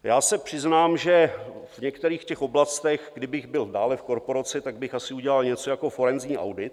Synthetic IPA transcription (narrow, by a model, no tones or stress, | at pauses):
jaːsɛpr̝̥ɪznaːmʒɛvɲɛkt̪ɛɾiːxcɛxo̞blast̪ɛxɡdɪbɪɣbɪldaːlɛfko̞ɾpo̞ɾat͡sɪt̪aɡ̚bɪxasɪuɟɛlalɲɛt͡so̞jako̞fo̞ɾɛnzɲiːʔa̰wdɪt̪